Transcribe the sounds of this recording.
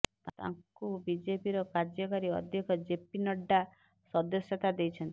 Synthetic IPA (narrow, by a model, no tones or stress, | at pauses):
t̪a̰ŋkubid͡ʒepiɾɔkaɾd͡ʒɔkaɾiɔd̪ʱjɔkɔd͡ʒepinɔɖːa | sɔd̪ɔsjɔt̪ad̪ejt͡ʃʰɔnt̪i̥